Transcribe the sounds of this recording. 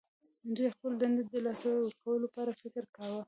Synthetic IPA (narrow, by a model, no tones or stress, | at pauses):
ɪndexpəld̪and̪ɪd̪̚d̪əlɑsawwəɾkawəlopɑɾafɪkɾkawə